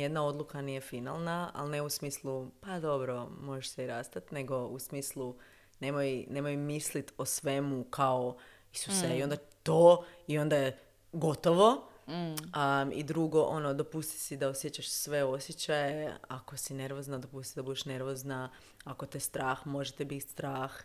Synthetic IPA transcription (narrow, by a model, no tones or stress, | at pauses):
jed̪nao̞d̪lukaniːje̞fina̰lˠnaa̰lˠne̞usmiːslˠupad̪o̞bɾo̞mo̞ʒeʃseiɾast̪at̪ne̞ɡo̞usmiːslˠu | ne̞mojne̞mo̞jmislit̪osʋe̞mukʰao | isuseio̞nd̪at̪oːio̞nd̪aje | ɡo̞t̪oʋo̞ | ḭd̪ɾuɡo̞ʔo̞nod̪o̞pust̪i̥sid̪aosjet͡ɕaʃsʋe̞o̞sjet͡ɕajea̰kosine̞ɾʋo̞znad̪o̞pust̪isid̪abud̪eʃne̞ɾʋozna | akot̪est̪ɾaːxmo̞ʒet̪ɛbit̪ʲst̪ɾaːx